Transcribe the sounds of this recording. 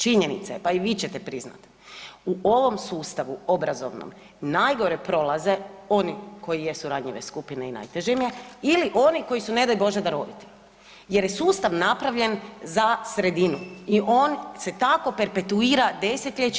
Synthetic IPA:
t͡ʃiɲenḭt̪sepaiʋiːt͡ɕet̪epɾizna̰t̪ | uʔoʋo̞msuːst̪aʋuobɾazo̞̰ʋno̰m | najɡo̞ɾepɾo̞laze̞o̞niko̞jije̞suɾad̪ɲiʋeskupineina̰jt̪eʒemjeiliʔo̞niko̞jisune̞d̪ajbo̞ʒed̪aɾod̪it̪i̥ | je̞ɾjesuːst̪aʋnapɾaʋʎe̞nzasɾe̞d̪inuiʔo̞ːnse̞t̪ako̞pe̞ɾpe̞t̪uiːɾad̪e̞set̪ʎʲet͡ʃ

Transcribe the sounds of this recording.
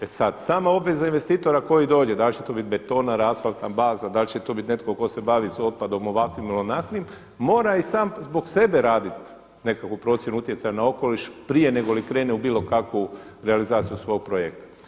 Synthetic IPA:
esad̪saːmao̞bʋe̞zainʋe̞st̪iːt̪o̞ɾako̞jid̪o̞ːd͡ʑe̞d̪alʲt͡ʃet̪o̞bit̪be̞t̪o̞naɾaːsfalˠt̪nabaːzad̪alʲt͡ʃet̪o̞bit̪ne̞t̪koko̞se̞baːʋiso̞t̪̚pad̪o̞mo̞ʋakʋimilonaklimː | o̞ːɾaisaːmzbo̞ɡse̞beɾaːd̪it̪ | ne̞kakʋupɾo̞t̪sjenuut̪jesajanao̞ko̞liʃpɾije̞ne̞ɡolikɾe̞ːneubiːlˠo̞kakʋuɾealizaːt̪sijusʋo̞ːɡ̚pɾojek̚t̪ḁ

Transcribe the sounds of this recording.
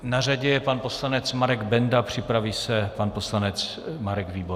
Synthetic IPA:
naraɟɛpanpo̞slanɛt͡smaɾɛɡbɛndapr̝̥ɪpɾaviːsɛpanposlanɛt͡s | maɾɛɡviːbo

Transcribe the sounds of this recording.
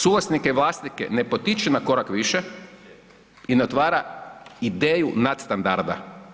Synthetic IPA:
sulasnikeiʋlˠaːst̪nikḛnepo̞t̪it͡ʃenako̞ɾakʋiʃe | ineo̞t̪ʋaːɾaid̪eːjunat̪st̪and̪aɾd̪a̰

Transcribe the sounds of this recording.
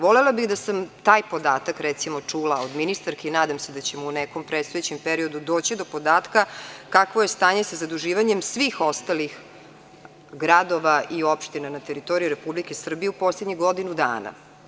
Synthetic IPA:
ʋolelabiɣd̪asamt̪aːjpo̞d̪aːt̪akɾɛt̪simo̞t͡ʂuːlaod̪minist̪aɾkeinaːd̪amsed̪at͡ɕemuuneko̞mpɾet̪st̪ojet͡ɕempeɾio̞d̪ud̪o̞ːt͡ɕid̪o̞po̞d̪aːt̪kakakʋoje̞st̪aːɲe̞sazad̪uʒiːʋaɲemsʋixo̞st̪alix | ɡɾad̪o̞ʋaiopʃt̪inanat̪eɾit̪o̞ɾijuɾepublikesr̩bijeupo̞sled̪ɲiɣɡo̞d̪inud̪a̰ːna̰

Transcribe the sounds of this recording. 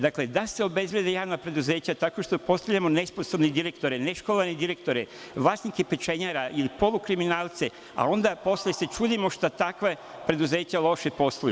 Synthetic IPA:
d̪akled̪aseo̞be̞zblʲjʲe̞d̪ejaːʋnapɾe̞d̪uze̞ːt͡ɕat̪ako̞ʃt̪opo̞st̪aʋʎʲamo̞nesposobned̪iɾekt̪o̞ɾeneʃkolaned̪iɾek̚t̪o̞ɾe | ʋlaːsikepet͡ʃeɲaɾaʔilipo̞lukɾiminaːlˠt̪se̞ | a̰o̞nd̪apo̞sljese̞t͡ʃuːd̪imoʃt̪at̪akʋe | pɾe̞d̪uze̞ːt͡ɕalˠo̞ʃepo̞st̪oju

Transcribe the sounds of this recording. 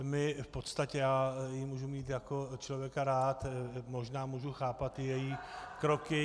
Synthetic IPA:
mɪfpo̞t̪st̪acɛjaːjɪmuːʒumiːt̪jakot͡ʃlovjɛkaɾaːt̪mo̞ʒnaːmuːʒuxaːpat̪ɪjɛjiːkɾokɪ

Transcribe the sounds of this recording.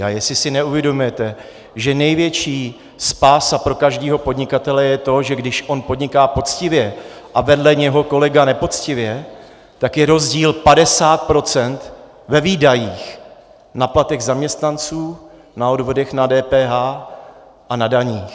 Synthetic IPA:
a̰jɛsɪsɪnɛuvjɛdo̞mujɛt̪ɛ | ʒɛnɛjvjɛt͡ʃiː | spaːsapɾo̞kaʒdiːɦo̞po̞dɲɪkat̪ɛlɛjɛt̪o̞ʒɛɡdɪʃʔo̞npo̞dɲɪkaːpo̞t͡scɪvjɛ | ʔavɛdlɛɲɛɦo̞ko̞lɛɡanɛpo̞t͡scɪvjɛ | t̪akjɛɾo̞zɟiːlpadɛsaːt̪̚pɾo̞t͡sɛnt̪ | vɛviːdajiːx | naplat̪ɛɣzamɲɛst̪nant͡suː | nao̞dvo̞dɛxnadɛːpɛːɦaː | ʔanadaɲiːx

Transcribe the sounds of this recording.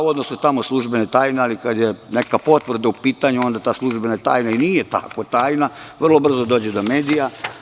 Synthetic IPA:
uo̞d̪nosnut̪amoslˠuʒbenet̪aːjnealikad̪jene̞kapo̞t̪ʋr̩d̪aupiːt̪aɲuo̞nd̪at̪aːslˠuʒbenat̪a̰ːjnainijet̪a̰kʋot̪aːjnaʋr̩lˠo̞br̩zod̪oːd͡ʑed̪o̞meːd̪ija

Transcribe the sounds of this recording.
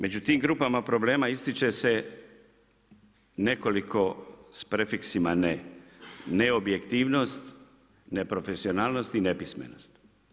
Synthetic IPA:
me̞d͡ʑut̪iːmɡɾuːpamapɾo̞ble̞ːmaist̪it͡ʃe̞se̞ | ne̞ko̞likʰo̞spɾefiksimane | ne̞objekt̪iːʋno̞st̪ | nepɾo̞fe̞sio̞naːlˠno̞st̪ine̞pismḛno̞st̪

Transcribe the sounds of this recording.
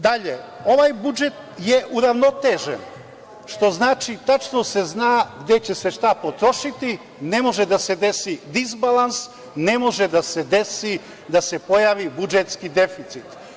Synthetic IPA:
d̪aʎeo̞ʋajbud͡ʒe̞t̪jeʔuɾaʋno̞t̪eʒḛn | ʃt̪o̞znaːt͡ʃit̪at͡ʃnose̞znaːɡd̪e̞t͡ɕe̞se̞ʃt̪apo̞t̪ɾo̞ʃit̪i | ne̞mo̞ʒed̪ase̞d̪e̞sid̪izbalˠans | ne̞mo̞ʒed̪ase̞d̪esi | d̪ase̞po̞jaːʋibud͡ʒet̪skid̪e̞fit̪sit̪

